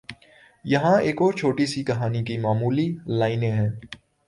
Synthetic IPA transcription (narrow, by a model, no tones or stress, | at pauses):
jɐɦãeːkɔːɾt͡ʃʰoːʈisikɐɦaːnikimaːmuːlilaːɪnẽɦɛ̃ː